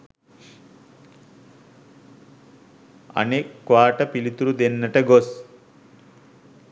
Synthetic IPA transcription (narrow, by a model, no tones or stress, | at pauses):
ɐ̰nekːʋaːʈɐpilit̪uɾud̪enːɐʈɐɡos